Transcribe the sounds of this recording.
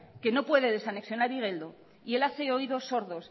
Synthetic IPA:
ke̞no̞pwe̞ðe̞ðe̞saneksjo̞naɾiɣ̞e̞ld̪o | ie̞laθe̞o̞iðo̞so̞ɾðo̞s

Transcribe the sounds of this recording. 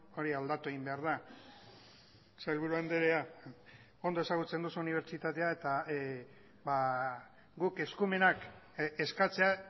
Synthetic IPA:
o̞ɾiald̪at̪ue̞ɣimbe̞aɾð̞a | sajlβuɾuand̪eɾea | o̞nd̪o̞e̞saɣ̞ut͡se̞nd̪usuniβ̞ɾt͡ʃit̪at̪e̞aet̪a | ba | ɡuke̞skume̞nak | e̞skat͡se̞a

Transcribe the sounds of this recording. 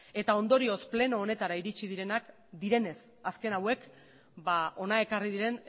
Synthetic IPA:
e̞t̪ao̞nd̪o̞ɾio̞sple̞no̞ːne̞t̪aɾaiɾit͡ʃiðiɾe̞nak | d̪iɾe̞ne̞s | aske̞nawe̞k | bao̞nae̞kariðiɾe̞n

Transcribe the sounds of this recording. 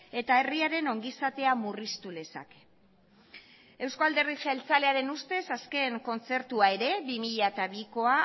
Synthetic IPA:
e̞t̪ae̞riaɾe̞no̞ŋɡisat̪e̞amurist̪ule̞sa̰k | e̞wskoald̪e̞riʝaelt͡sale̞aɾe̞nust̪e̞saske̞ŋko̞nt͡se̞ɾt̪uae̞ɾe̞bimiʎat̪aβiko̞a

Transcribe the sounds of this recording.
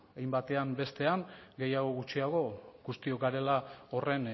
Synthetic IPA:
ajmbat̪e̞ambe̞st̪e̞aŋɡe̞jaɣ̞o̞ɣut͡ʃiaɣ̞o̞ɡust̪io̞kɡaɾe̞lao̞re̞n

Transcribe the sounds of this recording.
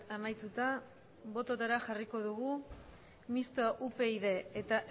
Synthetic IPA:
amajt̪ut̪a | βo̞t̪ot̪aɾaxariko̞ðuɣu | mist̪aʔupe̞iðe̞ːt̪aʔ

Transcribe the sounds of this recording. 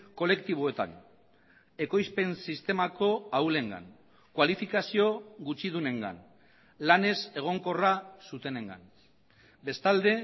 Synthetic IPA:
ko̞le̞kt̪iβoe̞t̪a̰n | e̞ko̞jspe̞nsist̪e̞mako̞awle̞ŋɡa̰n | kwalifikasio̞ɣut͡ʃið̞une̞ŋɡa̰n | lane̞se̞ɣ̞o̞ŋko̞rasut̪e̞ne̞ŋɡa̰n | be̞st̪ald̪e̞

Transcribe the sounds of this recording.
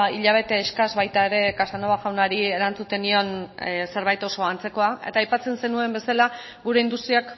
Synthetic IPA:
iʎaβ̞e̞t̪eːskazβajt̪ae̞ɾe̞kasanoβaɣawnaɾieɾant͡sut̪e̞nio̞nse̞ɾβ̞ajt̪o̞so̞ant͡se̞ko̞ae̞̰t̪aːjpat͡se̞nse̞nue̞mbe̞sala | ɡuɾe̞ind̪ust̪ɾiak

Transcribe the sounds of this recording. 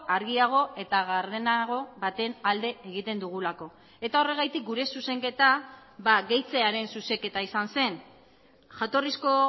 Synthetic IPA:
aɾɣiaɣ̞o̞e̞t̪aɣaɾðe̞naɣ̞o̞βat̪e̞nald̪e̞eɣ̞it̪e̞nd̪uɣ̞ulako̞ | e̞t̪ao̞re̞ɣ̞ajt̪ik̚ɡuɾe̞suse̞ŋke̞t̪abaɣe̞jt͡se̞aɾe̞nsuse̞ke̞t̪aisanse̞n | ʝat̪o̞risko̞

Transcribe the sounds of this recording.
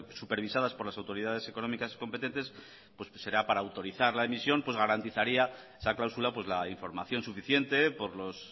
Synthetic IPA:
supe̞ɾβ̞isaðaspo̞ɾlasawt̪o̞ɾiðað̞e̞se̞ko̞no̞mikasi̥ko̞mpet̪e̞nt̪e̞s | pwe̞sse̞ɾapaɾaːwt̪o̞ɾiθaɾlaemisjo̞mpwezɣaɾant̪iθaɾia | esaklawsulapwe̞zlaiɱfo̞ɾmaθjo̞nsufiθje̞nt̪e̞po̞ɾlo̞s

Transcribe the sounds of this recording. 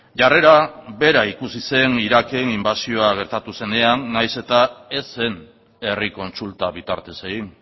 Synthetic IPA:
ʝare̞ɾaβe̞ɾaikusise̞niɾake̞nimbasio̞aɣ̞e̞ɾt̪at̪use̞ne̞anːajse̞t̪ae̞se̞n | e̞riko̞nt͡sult̪aβit̪a̰ɾt̪e̞se̞ɣin

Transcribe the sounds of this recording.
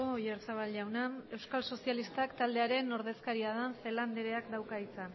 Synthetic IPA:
ojeɾt͡saβalʝawnae̞wskalso̞sialist̪akt̪ald̪eaɾe̞no̞ɾðe̞skaɾiaðanfe̞land̪eɾe̞akd̪awkait͡sa

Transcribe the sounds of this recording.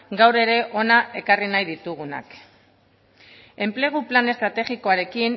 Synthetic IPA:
ɡawɾe̞ɾe̞ʔo̞naʔe̞karinajðit̪uɣuna̰k | e̞mple̞ɣ̞uplane̞st̪ɾat̪e̞ɣiko̞aɾe̞kin

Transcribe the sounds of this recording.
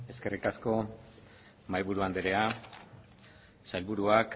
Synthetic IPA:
e̞ske̞rikasko̞ | majβuɾuand̪eɾe̞a | sajlβuɾuak

